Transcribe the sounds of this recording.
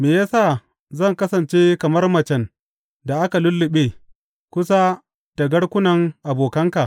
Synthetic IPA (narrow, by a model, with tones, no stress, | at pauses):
meː˨jaː˦saː˦˨ | zɐ˦˨ŋkɐ˦sɐ˨nt͡ʃeː˦kɐ˨mɐ˦rmɐ˨t͡ʃɛ˨n | da˨ʔa˦ka˨lʊ˦lːɪ˨ɓeː˦ | kʷʊ˦sa˦ | ta˨ɡɐ˦ɽkʷʊ˦nɐ˨ŋʔa˨boː˨kɐ˦ŋka˨ʔ